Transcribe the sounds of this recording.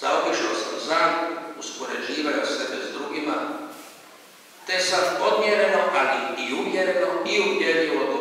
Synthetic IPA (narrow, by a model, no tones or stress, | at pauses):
z̥aobiʃiosozanuspoɾed͡ʒiːʋajosebezd̪ɾuɡima | t̪esat̪po̞d̪mjeɾenoʔaliiumjeɾenoiumjeliot̪